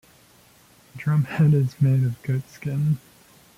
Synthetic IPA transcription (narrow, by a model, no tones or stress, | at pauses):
dɹʌ̃mɛɾɪzmeɪɾʌvɡoʊtskɪ̃n